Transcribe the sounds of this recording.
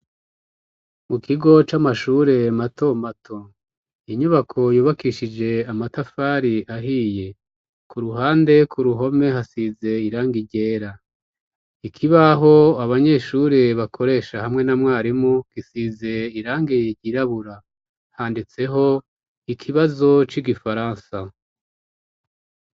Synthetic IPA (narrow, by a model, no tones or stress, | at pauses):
mukiɡo̞t͡ʃamaʃuːɾe̞matʰo̞matʰo̞ | iɲuβakʰo̞juːβakiʃid͡ʒe̞amatafaɾiʔaɦiːje̞ | kuɾuɦaːnde̞kʰuɾuɦo̞me̞hasize̞iɾaːŋɡiɟe̞ːɾa | ikʰiβaɦo̞aβaɲe̞ʃuɾeβakʰo̞ɾe̞ːʃahamŋe̞namŋaːɾimuɡ̥isize̞iɾaːŋɡejeɟiɾaβuɾa | haːndit͡se̞ɦo̞ | ikʰiβazo̞t͡ʃiɡifaɾaːnsa